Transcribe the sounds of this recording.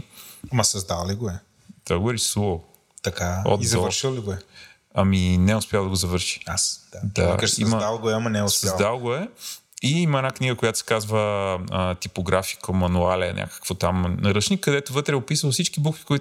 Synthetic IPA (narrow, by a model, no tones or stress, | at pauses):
ɐmɐsɐzd̪alˠliɡoɛ | t̪ɔɡoɛlisuo | t̪ɐkao̰d̪izɐəɾʃilˠliɡoɛ | ɐminɛʊspʲjalˠd̪ɐɡozɐvɤɾʃi̥asd̪ad̪a̰ɛkəʃḭmməd̪alˠɡoɛɐmɐnɛɛʊssɐzd̪alˠɡoɛ | iimɐɛnakniɡəkojat̪o̥sʲɛ̥kazvəət̪ipoɡɾafi̥kəmɐnualʲɛ̰nʲʔa̰kə̥kvot̪amnɐɾət͡ʃnikːɐd̪ɛt̪ovɤt̪ɾɛɛopisəlˠfsit͡ʃkibukvi̥koi